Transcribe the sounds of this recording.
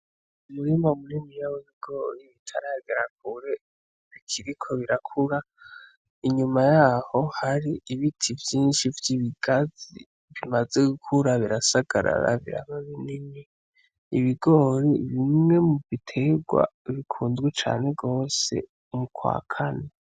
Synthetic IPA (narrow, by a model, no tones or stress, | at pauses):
umuɾimaumunimijawoβiɡo̞ɾiβitʰaɾaɡeɾak̚uɾe | βikʰiɾikʰo̞βiɾakʰuɾa | iɲumajaːho̞haɾiiβitʰivjiːnʃivjiβiɡazḭ | βimaze̞ɡukʰuɾaβiɾasaɡ̥a̰ɾa̰ɾa̰βḭɾa̰βaβiniɲe | iβiɡoːɾiβimŋe̞muvitʰe̞ɡwa̰βikʰuːnzɡwet͡ʃa̰ːne̞ɡo̞ːse̞̰ | umukʰwa̰ːkʰane